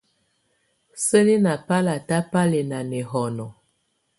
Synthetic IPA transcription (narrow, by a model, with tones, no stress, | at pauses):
sə˦li˦na˨pa˦la˨ta˦pa˦lɛ˨na˨nɛ˨ɦɔ˨nɔ˨